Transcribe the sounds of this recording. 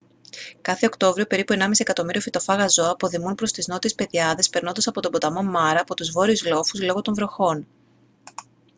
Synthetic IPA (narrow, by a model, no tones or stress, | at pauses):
kɐθe̞o̞kt̪o̞vɾiope̞ɾipue̞nɐmisiekɐt̪o̞miɾio̞fit̪o̞fɐɣɐzo̞ɐpo̞ðimunpɾo̞st̪izno̞t̪iespe̞ðiɐðe̞spe̞ɾno̞nd̪ɐsɐpot̪o̞bo̞t̪ɐmo̞mɐɾɐːpo̞t̪uzvo̞ɾiuzlo̞fuzlo̞ɣo̞t̪o̞ɱvɾo̞xo̞n